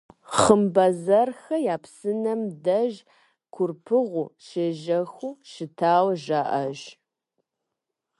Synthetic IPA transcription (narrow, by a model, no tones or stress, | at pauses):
χəmbɐzɐrxɐjaːpsɨnɐmdɐʒ | kʷʰʊrpʰɨʁʷʊʃeːʒɐxuːʃɪtʰaːwʒaːʔɐʒ